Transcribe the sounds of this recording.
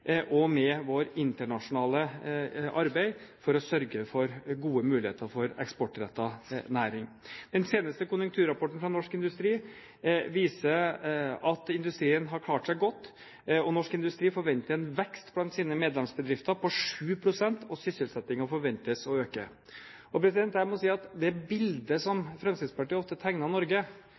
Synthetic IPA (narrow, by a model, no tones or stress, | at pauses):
ʔɔmɛʋoːɾɪnt̪əɳɑʂʊnɑːləʔɑɾbæɪfɔɾɔsœɾɡəfɔɾɡuːəmʉːlɪheːt̪ʰəɾfɔɾɛ̰kspɔʈɾɛt̪ːɑnæːɾɪŋ | d̪ɛnseːnəst̪əkʊnjʉŋkt̪ʰʉːɾɑpʰɔʈn̩fɾɑnɔʂkɪnd̪ʉst̪ɾiː | ʋiːsəɾɑt̪ɪnd̪ʉst̪ɾiːənɦɑɾkʰlɑːʈʂæɪɡɔt̪ː | ɔnɔʂkɪnd̪ʉst̪ɾiːfɔɾʋɛnt̪əɾɛnʋɛkst̪blɑnt̪siːnəmeːd̪lɛmsbəd̪ɾɪft̪əɾpʰɔʂʉːpʰɾʊsɛnt̪ʰɔsʏsəlsɛt̪ːɪŋɑfɔɾʋɛnt̪əsɔøːkə̰ | ɔpʰɾɛsɪd̪ɛnt̪hæɾmɔsiːɑt̪d̪ɛæɾbɪld̪əsɔmfɾɛmsɪspɑʈiːɔft̪ət̪ʰæŋnɑnɔɾɡə